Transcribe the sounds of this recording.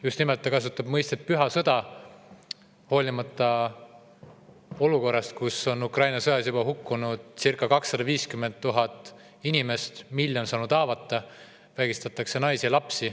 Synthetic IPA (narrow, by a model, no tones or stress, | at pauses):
just̪nimelt̪ːˑɑkɑs̬ut̪ːˑɑb̥mɤjst̪et̪̚pyɦɑsɤd̪ɑ | ho̞ːlʲimɑt̪ˑːɑ | o̞luko̞rːɑst̪̚kuso̞nukrɑjnɑsɤjɑsjub̥ɑɦukːˑunud̪̥sirkːˑɑkɑksːɑd̪̥ɑviːskymːe̞nt̪̚t̪ːuɦɑt̪ːˑ | inime̞st̪milʲːjo̞nsɑːnud̪ɑːvɑt̪ːɑ | væɡist̪ɑt̪ːˑɑkse̞nɑjsilɑpsi